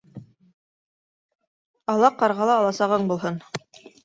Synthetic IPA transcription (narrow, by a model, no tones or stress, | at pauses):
ɑlˠɑqːɑɾʁɑlˠɑːlˠɑsɑʁɤɴbulˠɦɤn